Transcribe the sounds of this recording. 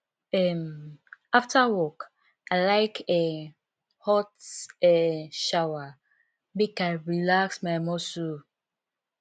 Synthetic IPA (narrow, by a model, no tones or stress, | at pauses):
ɛmaftawɔk | aɪlaɪkɛ | hɔtɛʃawa | bikaɪɹilaksmaɪmɔsu